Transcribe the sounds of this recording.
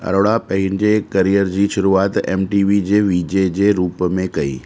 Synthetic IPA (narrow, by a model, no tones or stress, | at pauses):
ɐ̰ɾoɽapɐ̃ɦɪñɪ̆d͡ʑekɐɾijəɾd͡ʑiːʃʊɾuaːt̪ḛːmʈiːʋid͡ʑeːʋiːd͡ʑed͡ʑeːɾuːpmẽkɐḭː